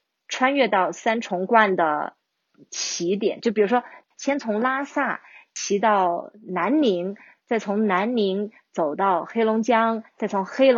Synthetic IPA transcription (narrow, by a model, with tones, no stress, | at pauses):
ʈ͡ʂʰwa˥nɥɛ˥˧t̪ɑ˥˩ʊsa˥nʈ͡ʂʰʊ˧˥ŋkwa˥˩nd̪ə̰˩ | t͡ɕʰi˧˥t̪jɛ̰˨˩˦nt͡ɕjo˥˩pi˨˩ɻu˧˥ʂwɔ˥ | ɕjɛ˥nt͡sʰʊ˧˥ŋla˥sa˥˩t͡ɕʰi˧˥t̪ɑ˥˩ʊna˧˥nmi˧˥ŋ | t͡sa˥˩ɪt͡sʰʊ˧˥ŋna˧˥nmi˧˥ŋ | t͡so˨˩ʊt̪ɑ˥˩ʊxe˥ɪlʊ˧˥ŋt͡ɕjɑ˥ŋt͡sa˥˩ɪt͡sʰʊ˧˥ŋxe˥ɪlʊ˧